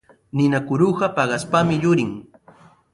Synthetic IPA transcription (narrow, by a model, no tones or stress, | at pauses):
nɪnakʊɾuɢɑpɑɢɑspamɪjʊɾɪŋ